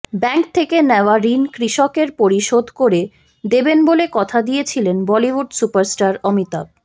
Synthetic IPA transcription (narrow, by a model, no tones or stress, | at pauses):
bɛŋk̚t̪ʰekenɛoaɾinkɾiʃokeɾpoɾiʃod̪ʱkoɾe | d̪ebenbolekɔt̪ʰad̪ijet͡ɕʰilenbɔliwuɖsupaɾsʈaɾɔmit̪a̰b̚